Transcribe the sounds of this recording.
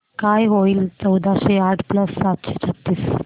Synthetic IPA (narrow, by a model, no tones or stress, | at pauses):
kajɦoiːlt͡səwd̪ʱaɕeaʈʰpləsːat̪ɕet͡ɕʰət̪ːiːs